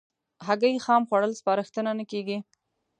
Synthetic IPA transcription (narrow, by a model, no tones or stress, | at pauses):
ɦaɡəjxɑmxwaɽəlspɑɾəxt̪ənanəkeɡi